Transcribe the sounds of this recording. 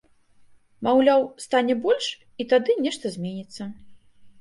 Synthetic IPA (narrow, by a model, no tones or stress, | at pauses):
mawlʲawst̪anʲɛbɔlʲʂ | it̪ad̪ɨnʲɛʂt̪ɐzʲmʲenʲit̪sːɐ